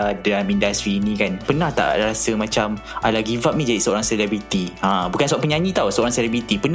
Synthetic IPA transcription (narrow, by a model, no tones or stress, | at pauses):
dalamindast̪ɾiːnĩkanpənaht̪a̰ʔaɾasəmãt͡ʃam | alaɡivap̚nid͡ʒaiʔsəoɾaŋsɛlɛbɾit̪iãbukansuwaʔpəɲãɲĩt̪awsəoɾaŋsɛlɛbɾit̪ipən